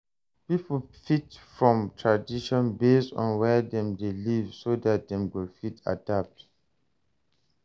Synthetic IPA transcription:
pipl̩fitfɹɔ̃mtʰɹadiʃɔ̃nbestɔ̰̃nwɛdɛ̃mdelivsodat̚dɛ̃mwilfitʰa̰dap̚t

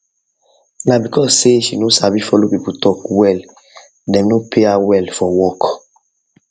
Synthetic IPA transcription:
nabikɔseʃinosabifɔlobikutɔkwɛl | dɛ̃mnopʰeawɛlfɔwɔk

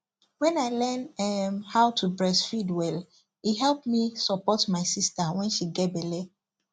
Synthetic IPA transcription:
wɛ̃naɪlɛnɛhaʊtʰubɹɛsfidwɛl | iɦɛlpmisɔpɔtmaɪsistawɛ̃nʃiɡɛtbɛle

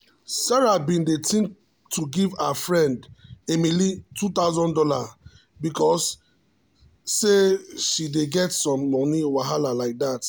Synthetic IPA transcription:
saɹabĩndetʰĩn | tʰuɡivafɹɛ̃ndemilitut̪aʊzɔ̃ndɔla | bikɔs | eʃideɡɛtsɔ̃mlɔ̃niwaɦalalaɪk̚dat

